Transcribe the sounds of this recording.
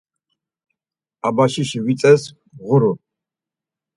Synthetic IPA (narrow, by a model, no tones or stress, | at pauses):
abaʃiʃiwit͡sʼɐs | ʁʷʊɾʊ